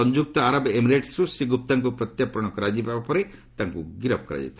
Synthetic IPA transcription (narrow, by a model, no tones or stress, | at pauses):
ɔɲd͡ʒuk̚t̪ɔaɾɔbemiɾeʈsɾusiɡup̚t̪aŋkupɾɔt̪japɾɔɽ̃ɔkɔɾad͡ʒipabapɔɾet̪aŋkuɡiɾɔp̚kɔɾa̰d͡ʒḭt̪ʰi̥